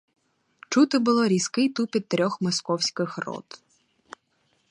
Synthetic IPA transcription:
t͡ʃut̪ɪbʊlˠɔɾʲiskɪjt̪upʲit̪̚t̪ːɾʲɔxmɔskɔwsʲkɪxrɔ̰t̪

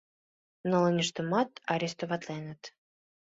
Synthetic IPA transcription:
nolɤnʲəʃt̪ə̆mɑt̪ɑɾʲest̪ovɑt̪lenə̆t̪

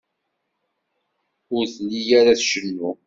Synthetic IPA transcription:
ʊɾθlːijæɾaθʃənːu

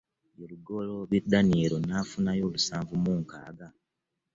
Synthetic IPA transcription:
joluɡo̞lo̞βidːaniɾo̞naːfunajo̞ːlusaːɱvumuːŋka̰ːɡa

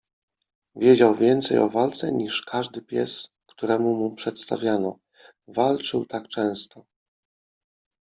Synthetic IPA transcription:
vʲjɛd͡ʑawvʲjɛnt̪sɛjɔ̰valt̪sɛ̰ɲiʂkʰaʐd̪ɘpʲjɛs | kt̪uɾɛmumupʂɛt̪st̪a̰vʲjanɔ̰ | valt͡ʂɘwt̪akt͡ʂɛ̃w̃st̪ɔ

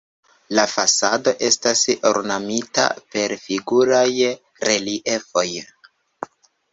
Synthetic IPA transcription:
lafasado̞ʔe̞staso̰ɾnamita̰pe̞ɾfiɡuɾaj | ɾe̞liʔe̞fo̞j

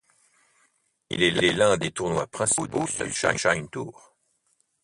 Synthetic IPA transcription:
ḭlɛlɛlɛ̃d̪et̪uʁnwapχɛ̃si̥od̪osə̰ʃa̰jʃajnt̪uːʁ

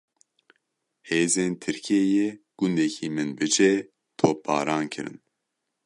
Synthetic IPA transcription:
heːzeːnt̪ʰɨɾkʰiejeɡ̥und̪ɛkʰiːmɨnbɨd͡ʒɛ | t̪ʰoːp̚ʰːɑ̰ːɾɑːnkʰɨ̰ɾɨ̰n

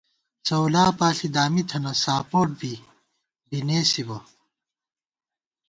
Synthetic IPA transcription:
sɐwlaːpaːɬid̪aːmit̪ʰɐnɐsaːpoːʈ̚bi | bineːsibɐ

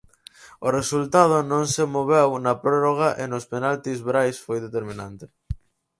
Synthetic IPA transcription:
ʊresult̪að̞ʊnõŋsemoβ̞ewnɐpɾoroɣ̞aʔenʊspenalt̪izβɾajsfojðet̪eɾmĩnant̪e

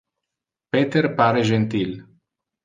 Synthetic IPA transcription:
pet̪erpaɾeʒent̪il

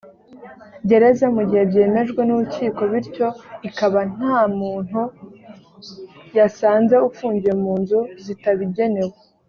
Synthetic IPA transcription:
ɟe̞ɾe̞zamuɟiehebɟe̞ːme̞ʒɡwe̞nuɾuciːko̞βiɾco̞ikaβan̥aːmuːn̥hu | jasaːnze̞ufuːɲɟijemuːnzuzitaβiɟe̞ne̞we

